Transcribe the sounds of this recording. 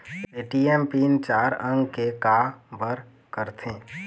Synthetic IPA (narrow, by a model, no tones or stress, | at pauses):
eʈiempiːnt͡ʃaːɾə̃ŋɡkekabəɾ | kəɾt̪ʰẽː